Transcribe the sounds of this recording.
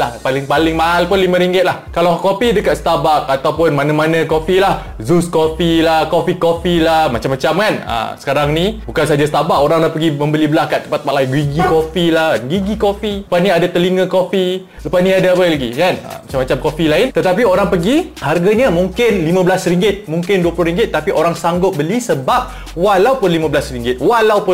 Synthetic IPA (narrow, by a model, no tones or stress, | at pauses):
lahpalɪŋpalɪŋmaɦalpʊnlimãɾiŋɡɪt̪̚lahkalawkofidəkat̪sə̥t̪abak̚at̪awpʊnmanãmanãkofilah | zuskofilahkofikofilahmat͡ʃamːat͡ʃamkanə̰sə̥kaɾaŋnĩbukansaɦad͡ʒasə̥t̪abaʔoɾaŋlahpəɡimə̃mbəlibəlahkat̪̚ːəmpat̪̚ːpaʔ̪laɪnɡwiɡikofilahnɡiɡikofiəpasnĩadat̪əliŋə̃kofi | ləpasnĩadaapəlaɡikanə̰mat͡ʃamːat͡ʃamkofilaɪnt̪ət̪apioɾaŋpəɡiharɡaɲəmũŋkɪnlimãbəlasəɾiŋɡɪt̪̚mũŋkɪnduəplʊhɾiŋɡɪt̪̚ːapiʔoɾaŋsaŋɡʊp̚bəlisəbap̚ | walawpʊnlimãbəlasəɾiŋɡɪt̪̚walawpʊ